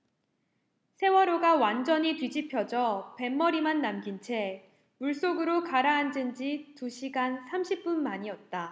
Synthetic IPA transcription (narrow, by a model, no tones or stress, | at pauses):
sʰe̞wʌɾoɡawand͡ʑʌɲitwɥid͡ʑipʰjʌd͡ʑʌpe̞mːʌɾimanːamɡint͡ɕʰe̞ | muɭs͈oɡɯɾokaɾaːnd͡ʑɯnd͡ʑituɕʰiɡansʰamɕʰip̚p͈unmaɲiʌt̚t͈a